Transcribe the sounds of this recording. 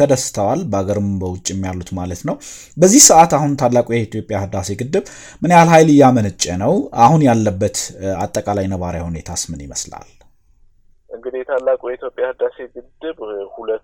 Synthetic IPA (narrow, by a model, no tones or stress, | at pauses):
əd̪əsɨ̥t̪ʰəwalbəaɡəɾɨmbəwʊt͡ʃʼːɛmːijalːut̪malət̪nəw | bəzːihsəʔat̪ahunt̪ʰalːakʼujɛit̪ʰjo̞pʼjahɨd̪ːase̞ɡɨd̪ːɨβ | mɨnjalhajlɨjːamənɨt͡ʃʼːənəwahunjalːəbːət̪at̪ʼːəkʼalajnəβaɾjahunet̪ʰasmɨnjɪmə̰sla̰l | ʔɨŋɡɨd̪ijɛt̪ʰalːakʼujɛit̪ʰjopʼjahɨd̪ase̞ɡɨd̪ɨβhulə